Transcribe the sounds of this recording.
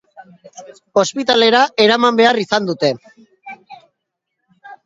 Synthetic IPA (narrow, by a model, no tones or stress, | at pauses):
o̞spit̪ale̞ɾaʔe̞ɾamambe̞arisand̪ut̪e̞